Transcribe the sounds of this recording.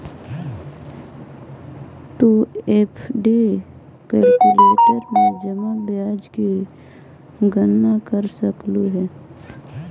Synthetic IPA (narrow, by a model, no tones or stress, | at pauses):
t̪uepʰɖi | kəlkuleːʈəɾmẽd͡ʒəmabjaːd͡ʒki | ɡənːakəɾsəkluɦɛː